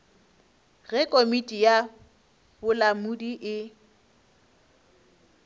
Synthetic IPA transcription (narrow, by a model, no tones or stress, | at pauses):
ɣɛkʼomitʼija | b̥ʊlamudiʔɪ